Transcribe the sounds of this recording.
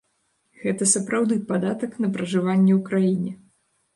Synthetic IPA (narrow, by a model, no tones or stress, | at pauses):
ɣɛt̪ɐsɐpɾawd̪ɨpad̪at̪ɐknɐpɾɐʐɨvanʲːɛwkɾajinʲɛ